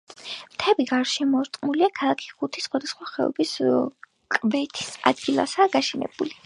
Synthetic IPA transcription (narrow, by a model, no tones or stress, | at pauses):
mt̪ʰɛbiɡaɾʃɛmɔɾt̪ʼqʼmuliakʰalˠakʰi̥χut̪ʰisχwad̪asχwaχɛɔ̰bis | kʼbɛt̪ʰi̥sa̰d̪ɡilˠa̰saːɡaʃɛnɛ̰b̥uli